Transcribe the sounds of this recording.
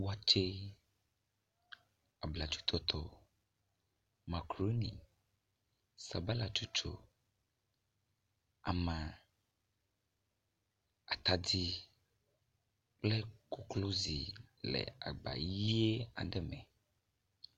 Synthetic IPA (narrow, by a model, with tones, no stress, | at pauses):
wu˦a˨t͡ʃe˦ | a˨bla˨t͡ʃu̥˦t̪ʰɔ˦t̪ʰɔ˦ | ma˨kɾo˦nḭ˨ | sa˨ba˦la˨t͡ʃu˦t͡ʃo̰˦ | a˨mã˨ | a˨t̪a˨di˦ | k͡plɛ˦ko˦klo˦zi˨lɛ̰˨a˨ɡ͡ba̰˨ji˦e˦a̰˨ɖɛ˨mɛ̃˨